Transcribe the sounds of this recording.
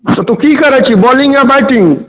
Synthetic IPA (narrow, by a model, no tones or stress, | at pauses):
t̪ot̪ukikɐɾat͡ʃʰibɔːlĩŋɡjaːbaɪʈɪ̃ŋ